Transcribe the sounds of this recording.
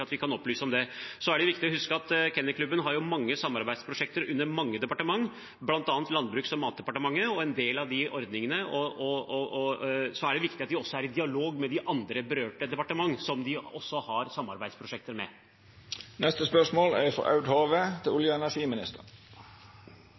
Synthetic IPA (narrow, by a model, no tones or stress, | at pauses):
ɑt̪ʋɪkʰɑnɔplyːsəɔmd̪ɛsɔæɖɛʋɪkt̪ɪɔhʉskəɑt̪kʰɛnːəkʰlʉbːənɦɑɾjʊmɑŋːəsɑmːɑɾbæɪd̪spʰɾʊʂɛk̚t̪əɾʉnːəɾmɑŋːəd̪ɛpɑʈəmɑŋː | blɑnt̪ɑːnt̪lɑnbɾʉːksɔmːɑːt̪̚d̪ɛpɑʈəmɑŋːəɔɛnd̪eːlɑʋd̪ɪʔɔɾd̪nɪŋənəɔɔɔɔsɔæɖɛʋɪkt̪ɪɑt̪̚d̪ɪɔsːɔæɾɪd̪ɪɑloːɡmɛd̪ɪʔɑnd̪ɾəbəɾøːʈəd̪ɛpɑʈəmɑŋːsɔmd̪ɪɔsːɔhɑɾsɑmːɑɾbæɪspʰɾʊʂɛk̚t̪əɾmɛ̰ | nɛst̪əspœʂmoːlæɾfɔ̰ʔɑ̰ʉɖ̪hoːʋet̪ʰɪlʊljəɛnæʂiːmɪnɪ̰st̪əɾ